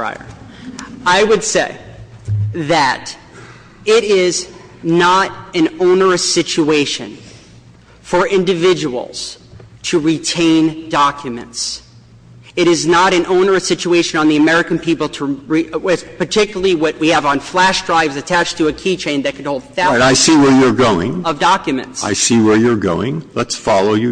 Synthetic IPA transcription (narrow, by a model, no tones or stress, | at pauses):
a̰ɪə̰˞ | aɪwɨdseɪ | ðɨɾ | ɪɾɪz | nəɾɨ̃nõʊ̃nə˞ɨsɪt͡ʃueɪʃɨ̰̃n | fə˞ʔɪ̃ndɨvɪd͡ʒəwl̩ˠz̥tʰɨɹitʰẽɪ̃ndɑkʰjɨmɨ̰̃nts | ɨɾɨznəɾɨ̃nõʊ̃nə˞ɨsɪt͡ʃueɪʃɨ̃nə̃nðiɨmɛɹɨkɨ̃n̩pʰipl̩ˠtʰəɹiɪpʰə˞tʰɪkjl̩ˠəl̩ˠiwʌʔ̚wiɨvn̩flæʃdɹaɪvzɨtʰæt͡ʃtʰɨːkʰit͡ʃʰẽɪ̃nðɨt̚kʰɨd̚oʊlˠd̪̚θæɾaɪsiwə˞jə˞ɡoʊɪ̰̃ŋʌvdɑkjɨmɨ̰̃ntsa̰ɪsiwə˞jə˞ɡo̰ʊɪ̰̃ŋlətsfɑlˠoʊjɨ